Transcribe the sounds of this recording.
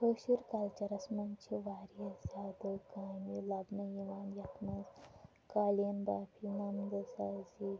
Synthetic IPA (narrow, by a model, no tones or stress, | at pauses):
ɦoʃuɾkɐlt͡ʃɐɾɐsmɐnt͡ʃʰiʋaːɾjɐzaːd̪okaːmilɐbnɐjiʋaːnjɐknɐz | kaːlɐnbaːpʰinɐmd̪ɐsazi